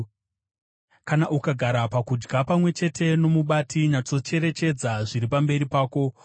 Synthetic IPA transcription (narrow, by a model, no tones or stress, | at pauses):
kanaʔukaɡʱaɾapakud͡ʒɡapamwe̞t͡ʃe̞tʰe̞no̞muɓatʰiɲat͡so̞t͡ʃe̞ɾe̞t͡ʃe̞d͡zaʐiɾipambe̞ɾipaːko̞